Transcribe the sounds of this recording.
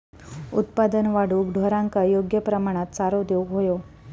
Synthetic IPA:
ṵt̪pad̪ənʋaɽukɖʱɔɾãŋkajoɡjəpɾəmaɽ̃at̪saɾod̪euɦojo

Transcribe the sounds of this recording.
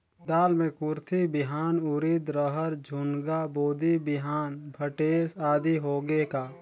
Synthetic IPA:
d̪aːlmẽkʊɾt̪ʰibɪɦaːnʊɾid̪ɾəɦəɾd͡ʒʱʊnɡaboːd̪ibɪɦaːnbʱəʈeːsaːd̪iɦoːɡekaː

